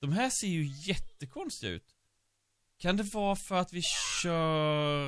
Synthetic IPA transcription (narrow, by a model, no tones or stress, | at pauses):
d̪̥ɔmɦæːʂeːjɵjɛt̪ːəkʰɔnst̪ɪɡaʉ̟̰ːt̪ | kʰand̪ɛvɑːfœɾat̪vɪɕœː